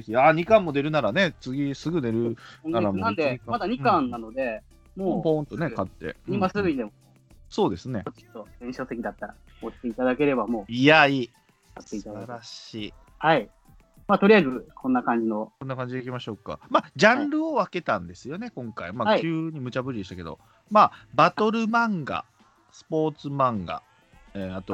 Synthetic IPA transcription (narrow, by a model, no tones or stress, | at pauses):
eçʲiaɲ̟ikãmːo̞d̪e̞ɾɯ̟naɾane̞t͡sɨɡʲisɨɡɯ̟d̪e̞ɾɯ̟aɾamnãnd̪eãmad̪aɲ̟ikãnːano̞d̪e̞ | moːpõ̞nt̪o̞ne̞kat̪ːe̞̰ɲimasɨɡɯ̟ɲid̪eo | so̞ːd̪e̞sɨne̞oi̥t̪ːoɡẽɕo̞ːt̪e̞kʲid̪at̪ːaɾa | ot͡ɕi̥t̪e̞it̪ad̪ake̞ɾe̞bamo̞ːijaiː | kat̪ːeit̪ad̪aaɾaɕiː | hai | mat̪oɾiazɨkʰõ̞nːakãɲ̟d͡ʑino̞ko̞nːakãɲd͡ʑid̪ekʲimaɕo̞kːa̰mad͡ʑãnɾɯ̟o̞βake̞t̪ãnd̪e̞sɨjo̞ne̞kõ̞ŋkaimaaɯːɲ̟imɯ̟t͡ɕabɯ̟ɾʲid̪e̞ɕit̪ake̞d̪o̞̰ | maːbat̪o̞ɾɯ̟mãŋɡa̰ | sɨ̥po̞ːt͡sɨmãŋɡa̰ | eat̪o̞